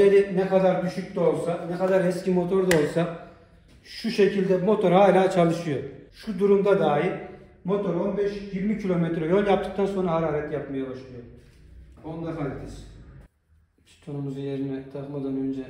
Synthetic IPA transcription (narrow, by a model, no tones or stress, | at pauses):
eɾinɛkad̪aɾd̪yʃyc̚ʲt̪o̞lˠsanɛkad̪aɾhɛscimo̞t̪ʰo̞ɾd̪o̞lˠsa | ʃuʃecʰilʲd̪ɛmo̞t̪ʰo̞ɾhaːlʲaːt͡ʃʰalˠɯʃɯjo̞ʃud̪uɾumd̪ad̪aːjiɾ | mo̞t̪ʰo̞ɾo̞nbɛʃjiɾmicʰilʲo̞met̪ɾejolʲˠjap̚t̪ʰɯ̥k̚t̪ʰanso̞nɾahaɾaːɾɛt̪japmajabaʃlˠɯjo̞ | o̞nlˠaɾɦaɾet̪ʰis | st̪ʰonumuzujeɾinɛt̪ʰakmad̪anø̞nd͡ʒɛ